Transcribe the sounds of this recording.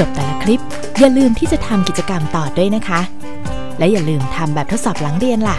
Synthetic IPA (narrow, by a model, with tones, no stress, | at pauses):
t͡ɕo˨˩p̚t̪ɛː˨˩la˦˥kʰli˦˥p̚ | jaː˨˩lɯː˧mt̪ʰiː˥˩t͡ɕa˨˩t̪ʰa˧mki˨˩t̪̚t͡ɕa˧ka˧mt̪ɔː˨˩du˥˩əjna˦˥kʰa˦˥ | lɛ˦˥jaː˨˩lɯː˧mt̪ʰa˧mbɛː˨˩p̚t̪ʰo˦˥t̪̚sɔː˨˩p̚laː˩˦ŋɾi˧ənla˨˩